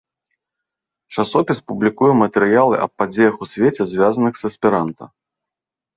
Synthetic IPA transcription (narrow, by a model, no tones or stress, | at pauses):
t͡ʂasɔpʲispublʲikujɛmɐt̪ɛɾɨjalˠɨʔɐ̰p̚pːad͡zʲejɐxusʲvʲet͡sʲɛzʲvʲazɐnɨxzɐsʲpʲiɾant̪ɐ̰